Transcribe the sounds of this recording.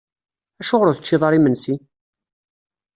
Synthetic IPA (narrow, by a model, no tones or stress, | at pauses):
æʃʊʁɾʊθət͡ʃːiðˤɑɾˤimənsi